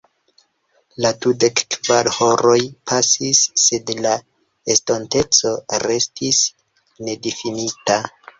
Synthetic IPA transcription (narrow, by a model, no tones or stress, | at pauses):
latude̞kkv̥aɾhoɾojpʰasisːe̞dla | estonte̞t͡so̞ɾe̞stʰis | ne̞difinita